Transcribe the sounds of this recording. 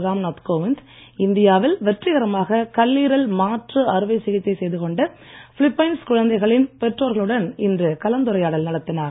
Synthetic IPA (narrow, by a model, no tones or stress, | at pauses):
ɾaːmnaːt̪koːʋɪnd̪ | ɪnd̪ɪjaːʋɪlʋɛʈrɪɣɐɾɐmaːɣɐkɐlːiːɾɐlmaːʈrɯɐɾɯʋɐɪsɪɣɪt̪ːɐɪsɛjðɯkɔɳɖɐ | fɪɭɪpːɐɪnskʊɻɐnd̪ɐɪɣɐɭɪnpɛʈroːɾɣɐɭɯɽɐnɪndrɯkɐlɐnd̪ɯɾɐjaːɽɐlnɐɽɐt̪ːɪnaːɾ